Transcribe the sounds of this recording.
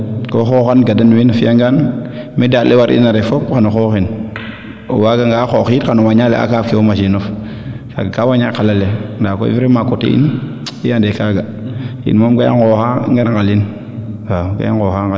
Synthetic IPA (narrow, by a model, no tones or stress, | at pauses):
koxoxanɡadanwinafiaŋɡanmidatlewaɾʔḭnaɾefopkanoxoxin | o̰waɡaŋɡaxoxitkanowaɲalea̰kafkiomaʃinof | ka̰kawaɲakalalendako̰ḭviɾemakotḛḭn | iandekaɡa | ḭnmomɡaja̰ŋkoxaŋɡaɾŋɡalin | ɡaɡa̰ja̰ŋkoxaŋɡa